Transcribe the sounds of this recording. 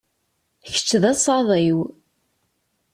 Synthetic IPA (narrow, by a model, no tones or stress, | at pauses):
çə̥t͡ʃːðæsˤɑðˤiw